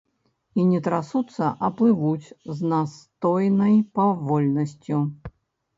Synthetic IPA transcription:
inʲɛt̪ɾasut̪sːɐʔɐplˠɨvut͡sʲznast̪ɔjnɐjpavɔlʲnɐsʲt͡sʲu

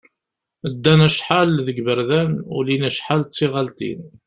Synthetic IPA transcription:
əd̪ːænæʃħalðəɡbəɾðænṵlinæʃħalt͡sːiʁalt̪ḭn

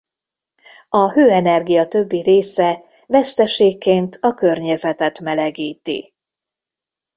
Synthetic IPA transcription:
ɒhøːɛnɛrɡijɒt̪ø̞bːiɾeːsɛ | vɛst̪ɛʃeːkːeːnt̪ʰɒkø̞rɲɛzɛt̪ɛt̪mɛlɛɡiːt̪ḭ

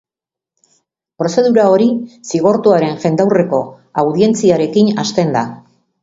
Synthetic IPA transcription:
pɾo̞se̞ðuɾao̞ɾisiɣo̞ɾt̪uaɾe̞nʝe̞nd̪awre̞ko̞ | awðie̞nt͡siaɾe̞kinast̪e̞nd̪a

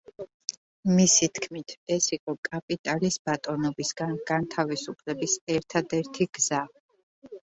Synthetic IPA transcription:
misit̪ʰkʰmit̪ʰɛsiqʼɔkʼapʼit̪ʼalisb̥at̪ʼɔnɔbisɡanɡ̥ant̪ʰavisupʰlɛbisɛɾt̪ʰad̪ɛɾt̪ʰiɡ̥z̥a

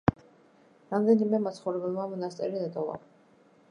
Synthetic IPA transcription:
ɾamd̪ɛnimɛmat̪sʰχɔvɾɛbɛlˠmamɔnast̪sʼɛ̰ɾid̪ɛt̪ʼɔva̰

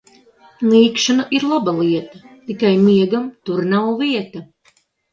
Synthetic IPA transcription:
lˠiːkʃanaʔiɾlˠabalˠiɛt̪ɐt̪ikajmiɛɡamt̪uɾnawviɛt̪ɐ

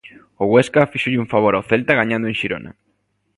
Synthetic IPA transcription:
ʊɣweskafiʃoʎɪuɱfaβ̞oɾaoθelt̪aɣaɲãnd̪ʊeŋʃiɾo̰na̰

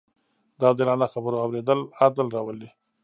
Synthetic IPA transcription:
d̪ɑd̪əelɑnaxabəɾoawɾed̪əlad̪əlɾɑwəle

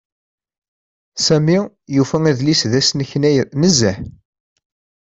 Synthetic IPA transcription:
sæmi | jufææðlisðæsnəçnæjnəzːəħ

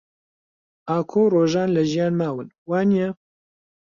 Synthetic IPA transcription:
aːkʰoːroːʒaːnlɐʒijaːnmaːwɨnwaːnijɛ

